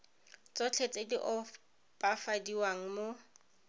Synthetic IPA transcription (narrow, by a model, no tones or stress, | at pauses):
t͡sʼɔt͡ɬʰet͡sʼediʔɔ | pʼafadiwaŋ̩mo